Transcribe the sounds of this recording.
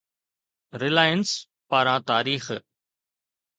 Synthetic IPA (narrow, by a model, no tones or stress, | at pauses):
ɾɪlaːjəns | paːɾãːt̪aːɾiːx